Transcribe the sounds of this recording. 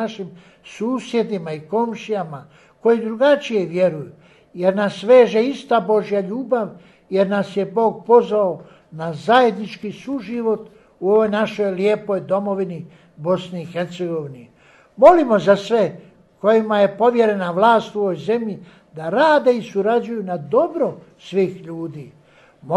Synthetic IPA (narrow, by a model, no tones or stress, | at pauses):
aʃim | suːsje̞d̪imaiko̞mʃijama | ko̞jid̪ɾuɡat͡ʃije̞ʋje̞ɾuju | je̞ɾnasʋe̞ːʒeist̪abo̞ʒijaʎuːbaʋ | je̞ɾnasje̞bo̞ːɡ̚po̞zʋao | nazaje̞d̪nit͡ʃkisuʒiʋo̞t̪ | uo̞ʋo̞jnaʃo̞jljeːpo̞jd̪o̞mo̞ʋini | bo̞sniːxeɾt̪seɡo̞ʋini | mo̞limo̞zasʋe̞ | ko̞jimaje̞po̞ʋje̞ɾe̞naʋlˠaːst̪uo̞ʋojze̞mʎi | d̪aɾaːd̪e̞isuɾad͡ʑujunad̪o̞bɾo | sʋiːxʎuːd̪iː | m